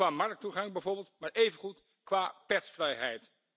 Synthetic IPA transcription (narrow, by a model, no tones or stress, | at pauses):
aːmɑrk̚tuχɑŋbɛjvoːɹbɪːlˠtmaːɹejvənχut | kʋaːpɛtsfrɛjɦɛjt